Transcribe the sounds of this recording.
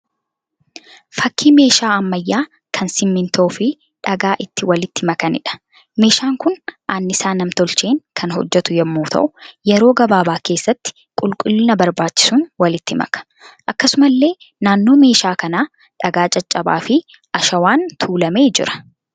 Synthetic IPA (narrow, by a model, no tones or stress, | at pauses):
fɐkːiːme̞ːʃaːɐmːɐjːaː | kʰɐnsɪmːɪnt̪ʰoːfɪ | ᶑɐɡaːʔɪt̪ːɪwɐlɪt̪ːɪmɐkɐnɪ̰ᶑɐ̥ | me̞ːʃaːŋkʊnʔaːnːɪsaːnɐmt̪ɔlt͡ʃeːŋkʰɐnhɔ̰d͡ʒːɛt̪ʊjɛmːuːt̪ʰɐ̰ʔʊjɛɾo̞ːɡɐbaːbaːke̞ːsːɐt̪ːɪ̥ | kʼʊlkʼʊlːɪnɐbɐɾbaːt͡ʃːɪ̥sʊnwɐlɪt̪ːɪmɐ̰kɐ̥ | ʔɐkːɐsʊmɐlːe̞ː | naːnːo̞ːme̞ːʃaːkɐnaː | ᶑɐɡaːt͡ʃʼɐt͡ʃʼːɐba̰ːfɪ | ʔɐʃɐwaːnt̪ʰuːlɐme̞ːd͡ʒɪ̰ɾɐ̥